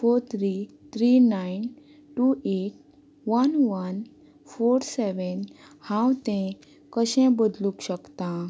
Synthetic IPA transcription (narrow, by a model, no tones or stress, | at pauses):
foɾt̪ʰɾit̪ʰɾinain | ʈueʈ̚ | ʋənʋən | foɾsɛʋənhãwt̪ɛ̃ | kəɕɛ̃bəd̪lũkɕəkt̪ã